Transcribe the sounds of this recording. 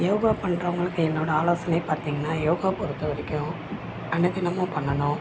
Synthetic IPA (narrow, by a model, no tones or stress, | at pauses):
joːɣaːpɐɳːɾɐʋɐŋɡɐɭɯkːɯɛnːoːɽɐaːloːsɐnɐɪpaːɾt̪iːŋɡɐnːaːjoːɣaːpɔɾɯt̪ːɐʋɐɾɪkʲːʊ̃ | ɐnɯðɪnɐmʊ̃ːpɐɳːɐnʊ̃